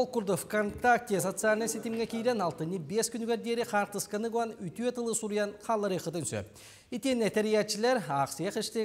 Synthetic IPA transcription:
okuɾd̪ofkʰont̪ak̚t̪ʲiesot̪sɨalʲnəset̪emɡʲekʲʰejɾenɑlˠt̪ənibeskʲʰʏnkʲeɾd̪eɾɪqʰɑɾq̚t̪əskənɨɡuanʏjt̪et̪əlˠəsuɾijanqʰɑlˠəɾiqət̪ʰʏnsø̰p | et̪enæt̪æɾijat̪ʃɪleɾɑqseqɪʃt̪e

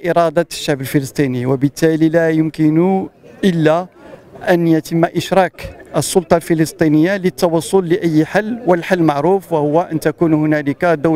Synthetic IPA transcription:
ʔɪɾˤɑd̪ɑʃːaʕbəlfələsˤt̪ˤiniwəbət̪ːælilæjʊmkənʊʔəlːæʔænjæt̪əmːʔəʃɾˤɑkʔəsːʊlt̪ˤɑlfiləst̪ˤinəjːalət̪ːɑwɑsˤːʊlːəʔəjːħalːwəlħalːmaʕɾufwahʊwːaʔənt̪ækunhʊnæləkd̪ʊw

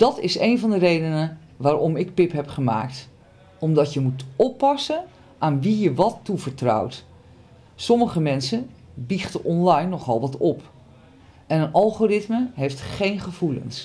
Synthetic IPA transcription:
d̥ɔtɪsejnvɔndərejdənə | ʋaːɾɔmɪk̚pɪpɦɛpχəma̰ːk̚t | ɔmdɔtjəmutɔpːɑsə | ʔaːnʋijəʋɔtːuvəɹtrɔ̰wt | sɔməɣəmɛnsənbiχtəʔɔnlajnːɔχɔlˠʋɔtɔp | ɛnənɑlˠχorɪtməɦejftχejnχəv̥ulə̰ns

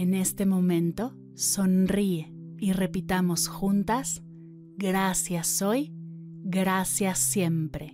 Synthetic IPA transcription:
ene̞st̪e̞mõ̞mẽ̞nt̪o̞ | so̞nrie | ire̞pit̪amo̞sxunt̪as | ɡɾasjasoj | ɡɾasjasje̞mpɾe̞

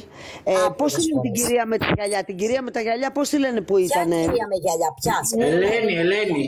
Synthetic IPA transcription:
epo̞sθilenet̪iɟiɾiɐmet̪ɐʝɐʎɐt̪iɲɟiɾiɐme̞t̪ɐʝɐʎɐpo̞sθile̞nepuit̪ɐneɐeʝɐʎɐpɐneelenieleni

